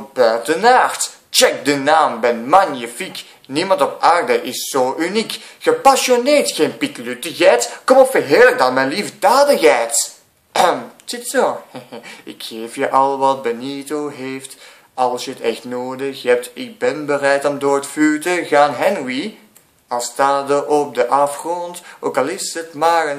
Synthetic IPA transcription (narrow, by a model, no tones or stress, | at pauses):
b̥œːtənaːɹt | t͡ʃɛk̚dənaːmbɛnmanjəfik | nimɑntɔpaːrdəʔɪsːoːʔynikxəpɑsonɪːɹtxeːnpitlytəɣɛːtkɔmɔpfəɦɪːɹlək̚dɑtmɛnlivədaːdəɣɛːt | sɪtsoːhɪkxeːfjəʔɑlˠʋɑt̚bənitoɦeːft | ɑlˠsjəətɛxtnoːdəxhɛp̚tɪk̚bɛnbərɛjtɔmdoːɹətfyːtəɣaːnɦɛnwi | ɑlˠstaːdəʔɔp̚dəʔɑfχrɔntoːkɑlˠɪsətmaːrən